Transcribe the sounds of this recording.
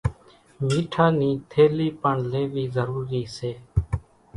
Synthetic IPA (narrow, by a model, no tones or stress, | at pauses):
miːʈʰaːniːt̪ʰeːliːpəɳleːʋiːzəɾuːɾiːseː